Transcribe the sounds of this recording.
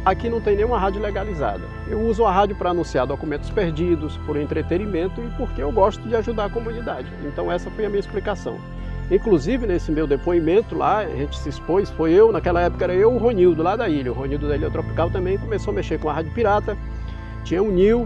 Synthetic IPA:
akinɐ̃w̃t̪ẽnẽũmɐɦad͡ʒʊleɡaliza̰d̪ɐ̰ | ewuzʊɐɦad͡ʒjʊpɾɐaːnũsiaɾd̪okumẽnt̪ʊ̥speɾd͡ʒid̪ʊspoɾẽnt̪ɾet̪enimẽnt̪ʊɪpoɾkeewɡɔst̪ʊd͡ʒɪaʒud̪aɾkomũnid̪ad͡ʒɪḛ̃nt̪ɐ̃w̃ɛsɐfojɐmĩɲɐisplikasɐ̰̃w̃ | ĩkluzivɪnesɪmewd̪epoimẽnt̪ʊla̰ʒẽt͡ʃɪ̥sɪispojsfojewnakɛlɐɛpʊ̥kɐɛɾɐewʊɦõniwd̪ʊlad̪ɐiʎɐʊɦoniwd̪ʊd̪aiʎɐt̪ɾopi̥kawt̪ɐ̃mbẽj̃kõmesowɐmeʃeɾkõɐhad͡ʒʊpiɾat̪ɐ | t͡ʃĩɲɐũniw

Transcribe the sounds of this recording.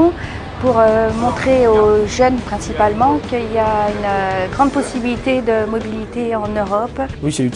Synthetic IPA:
puʁømɔ̃t̪χeoʒœnpχɛ̃sipalmɑ̃kiljaynɡʁɑ̃d̪̚pɔsibilit̪ed̪əmɔbilit̪eɑ̃nøʁɔpwisɛy

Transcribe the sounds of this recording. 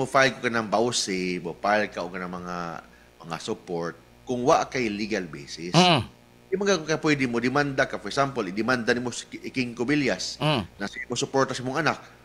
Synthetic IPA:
mofajlkokanaŋbawsɪmofajlkaʔoɡkanaŋmɐŋa̰ | mɐŋa̰sʊpoɹt̪̚ | kʊŋwaʔkajliɡalbḛːsɪs | dɪmaŋɡakokapwɛd̪ɪmod̪ɪmand̪akafɔɹɛksampolɪd̪ɪmand̪anɪmosʔɪkɪŋkʊbɪljasnasimosʊpoɹt̪asɪmʊŋanak̚

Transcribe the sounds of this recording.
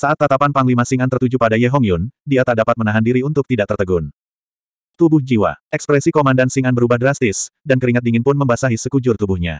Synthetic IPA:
saʔat̪ːat̪apanpaŋlimasiŋant̪ərt̪ud͡ʒupadajɛɦɔŋjʊndiat̪adapat̪̚mənaɦandiɾiunt̪ʊk̚t̪idaʔt̪ərt̪əɡʊn | t̪ubʊhd͡ʒiwa̰ɛkspɾɛsikomandansiŋanbəɾubahdɾast̪ɪsdankəɾiŋat̪̚diŋɪnpʊnməmbasaɦisəkud͡ʒʊrt̪ubʊhɲa̰

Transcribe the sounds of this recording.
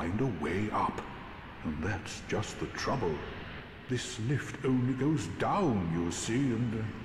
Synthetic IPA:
ɪ̃ndəweɪʔʌ̰p | ə̃nðætsd̥ʒ̥ʌst̪̚ðɨtʰɹ̥ʌbəl̩ˠ | ðɪslɪftʰõʊ̃nliɡoʊzdãʊ̃njɨsiɨ̃n

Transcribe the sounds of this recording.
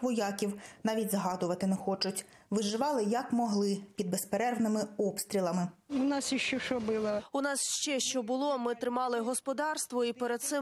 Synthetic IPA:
ʋɔjɑkʲiwnɑʋʲitʲzɦɑd̪ʊʋɐt̪ɪnɛxɔt͡ʃʊtʲ | ʋɪʒɪʋɑlˠɪjɐkmɔɦlˠɪpʲid̪̚bespeɾɛrʋnɪmɪɔpst̪ʲɾʲilˠɐmɪʊnɑsiʃt͡ʃɔʃɔbɪlˠɐʊnɑsʃt͡ʃɛʃt͡ʃɔbʊlˠɔmɪt̪ɾɪmɑlˠɪɦɔspɔd̪ɑrst̪ʋɔipeɾed̪̚t̪sɪ

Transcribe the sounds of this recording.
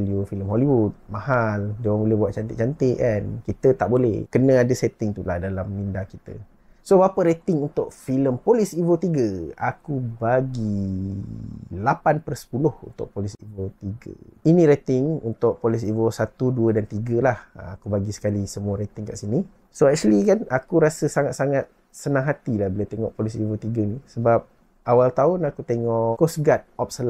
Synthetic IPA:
liufiləmɦoliwud̚mahaldewaŋbolɛhbuaʔ̪̚t͡ʃant̪ɪʔt͡ʃant̪ɪʔankit̪ət̪aʔbolɛhkənə̃adəsɛt̪ɪŋt̪ulahdalamnindakit̪ə̰ | sobapəɾet̪ɪŋunt̪ʊʔfiləmpolisivot̪iɡəa̰kubaɡi | lapanpəɾsə̥pulʊhṵnt̪ʊ̰ʔpolisivot̪iɡə̰inĩɾet̪ɪŋṵnt̪ʊʔ̚polis̬ivosat̪uduədant̪iɡəlahakubaɡisə̥kalisəmuəɾet̪ɪŋka̰ʔsini | soɛk̚t͡ʃəlikanakuɾasəsaŋat̪̚saŋat̪̚ | sənãŋɦat̪ilahbilat̪eŋɔ̰ʔpolisivot̪iɡənisəbap̚ | awalt̪aʊnakut̪eŋɔʔkosɡat̪̚ɔp̚səl

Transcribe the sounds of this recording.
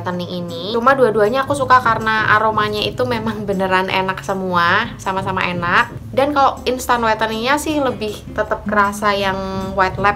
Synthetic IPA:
t̪əniiniumaduaduaɲaːkusukakaɾənaʔa̰ɾomaɲait̪umemaŋbənəɾanḛnak̚səmuasamasama̰enak̚dankaloʔinst̪anwat̪əniɲasɪhləbɪht̪ət̪əp̚kəɾasajaŋwat̪lɛp̚

